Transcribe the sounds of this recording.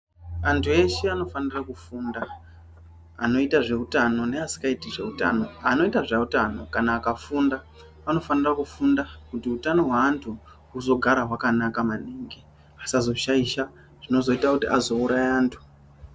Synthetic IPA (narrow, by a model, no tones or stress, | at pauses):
antʰue̞ʃeano̞fanirakufunda | ano̞itaʐe̞utano̞ne̞asi̥kaitiʐe̞uta̰no̞ano̞itaʐautano̞kanaːkafunda | ano̞fanirakufundakutiutano̞ɦwaːntʰu | uzo̞ɡʱaɾaɦwakanakamaniːŋɡi | asazo̞ʃaiʃa | ʐ̥ino̞zo̞itakutiʔazo̞uɾaeaːntʰu̥